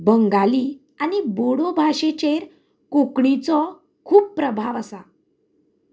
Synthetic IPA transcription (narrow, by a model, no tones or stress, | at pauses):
bəŋɡali | aniboɽobʱaɕet͡ɕeɾ | kokɳit͡sɔ | kʰuːbpːɾəbʱaʋəsa